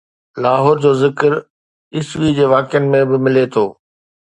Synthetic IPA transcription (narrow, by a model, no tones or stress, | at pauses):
laːɦoːɾd͡ʑoːzɪkɾ | ɪsʋid͡ʑeːʋaːkɪjənɪ̆mẽbɪmɪlet̪ʰoː